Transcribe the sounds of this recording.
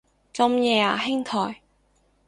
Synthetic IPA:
t͡sɐ˧mjɛː˨˧a̰ː˨˩ɦɪ˥ŋt̪ʰɔː˨˩j

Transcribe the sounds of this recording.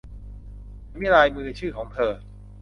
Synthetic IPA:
mi˦˥ɾaː˧jmɯː˧t͡ɕʰɯː˥˩kʰɔː˩˦ŋt̪ʰɤː˧

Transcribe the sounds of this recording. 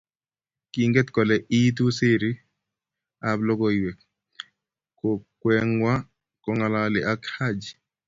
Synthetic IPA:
ki˨ŋɡɛ˦t̪kɔ˨lɛ˨ʔi˦t̪̬u˦se˦ɾi˦ | a˨blɔ˦ɡɔ˦jwe˨k̚ | ko˨kwɛ˦ŋwa˦ | kɔ˦ŋa˨la˦lɪ˨ʔa˦kha˦d͡ʒ

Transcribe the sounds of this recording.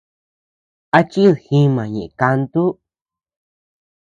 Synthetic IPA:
a˧t͡ʃi˦ðhĩ˧mã˨ɲẽ˨ʔẽ˨ka˧nt̪u˦

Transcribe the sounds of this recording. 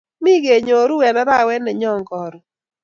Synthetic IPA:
mi˦ɡe˨ɲo˨ɾu˦wɛ˨nɛ˦ba˦˨wɛ˦nɛ˨ɲɔ˦˨ŋkɔ˨ɾɔ˨

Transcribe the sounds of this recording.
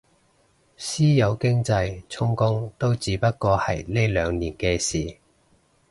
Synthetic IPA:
siː˥jɐ˨˧wkɪ˥ŋt͡sɐ˧jt͡sʰʊ˥ŋkʊ˥ŋt̪o˥wt͡siː˨˥pɐ˥t̚kɔː˧hɐ̰˨˩jne˥jlœː˨˧ŋniː˨˩nkɛː˧siː˨˩

